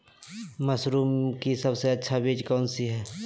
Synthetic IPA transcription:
mɐsɾuːmkisɐbseɐtːʃʰabiːd͡ʒkɔːnsiɦɛː

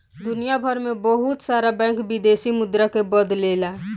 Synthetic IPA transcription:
d̪unijabʱəɾmebəɦut̪saɾabɛ̃ŋkbid̪esimud̪ɾakebəd̪lela

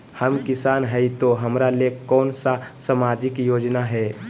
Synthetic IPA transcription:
həmkɪsaːnɦɛit̪oɦəmɾalekɔːnsasamaːd͡ʒɪkjoːd͡ʒnaɦɛ

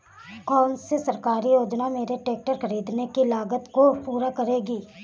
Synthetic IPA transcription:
kɔːnsesɐɾkaːɾijoːd͡ʒnameːɾeʈeːk̚ʈəɾxɐɾiːd̪nekilaːɡət̪kopuːɾakɐɾeːɡiː

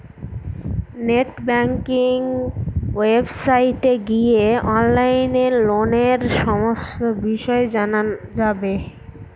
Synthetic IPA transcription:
neʈbɛŋkiŋ | websajʈeɡieɔnlajneɾloneɾʃɔmost̪obiʃɔed͡ʑanad͡ʑabe

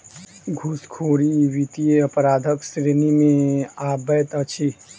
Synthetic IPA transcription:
ɡʱuskʰoːɾiʋit̪ijeəpɾaːd̪ʱəksɾenimẽaːbət̪ət͡ʃʰi

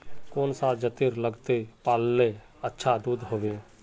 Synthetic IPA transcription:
koːnsad͡ʒət̪ɪɾləɡt̪epaːlneː | ətːʃʰad̪uːd̪ɦoːʋeː

